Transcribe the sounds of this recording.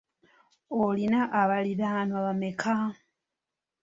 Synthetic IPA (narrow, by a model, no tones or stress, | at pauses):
olinaʔaβaliɾanwaβamekʰa